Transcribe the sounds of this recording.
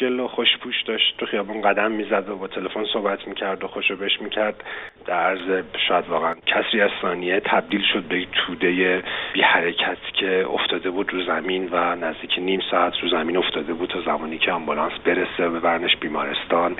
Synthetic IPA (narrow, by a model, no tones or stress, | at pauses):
d͡ʒeloxoʃpʰuːʃd̪ɒʃt̪̚t̪uχijɒːbunɢæd̪æmːiːzæd̪obɒːt̪ʰe̞lefo̞nso̞hbæt̪ʰmiːcʰæɾd̪oxoʃobeʃmiːcʰæɾd̪̥d̪̥æɾæɾzeʃɒːjæd̪vɒːɣeæncʰæsɾiːæz̥sɒːniet̪ʰæb̚d̪iːlʃo̞d̪̚bejekt̪ʰuːd̪ejeb̥iːhæɾecʰæt̪ʰcʰe̞o̰ft̪ʰɒːd̪e̞buːd̪ɾuzæminvænæzd̪iːcʰeniːmsɒːæt̪ʰɾuzæmiːno̞ft̪ɒːd̪e̞buːd̪̚t̪ʰɒːzæmɒːniːcʰeɒmbulɒːnsbe̞ɾesebevæɾneʃbiːmɒːɾe̞st̪ɒːn